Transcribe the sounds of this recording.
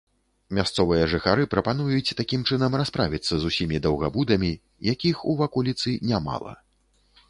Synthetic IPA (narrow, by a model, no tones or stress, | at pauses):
mʲast̪sɔvɨjɐʐɨxaɾɨpɾɐpan̪ujut͡sʲt̪akʲimt͡ʂɨn̪ɐmraspɾavʲit̪sːɐzusʲimʲid̪ɐwɣabud̪ɐmʲi | jakʲixuvakɔlʲit̪sɨnʲama̰lˠɐ̰